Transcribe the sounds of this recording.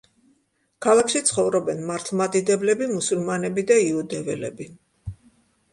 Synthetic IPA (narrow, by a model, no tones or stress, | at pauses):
kʰalˠakʃit̪sʰχɔvɾɔbɛnmaɾt̪ʰlˠmad̪id̪ɛblɛbimusulˠmanɛbid̪aiud̪ɛvɛlɛbi